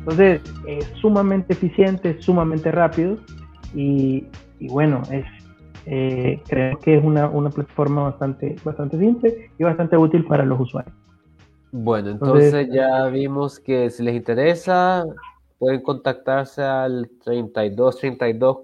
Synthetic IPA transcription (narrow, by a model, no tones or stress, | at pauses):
nt̪o̞nse̞sesːumamẽnt̪e̞ːfisje̞nt̪e̞esumamẽnt̪e̞rapiðoiː | βwe̞no̞ʔe̞s | ekɾeemoskees̬unaʔunaplat̪ḁfo̞ɾmaβast̪ant̪e̞bast̪ant̪e̞simple̞ieβast̪ant̪e̞ut̪ilpaɾalo̞suswa̰ɾjos | bwenoenoonsesesʝaβimoskesilesint̪e̞ɾesa | pwe̞ðeŋko̞nt̪ak̚t̪aɾsealt̪ɾejnt̪ajðost̪ɾejnt̪ajðos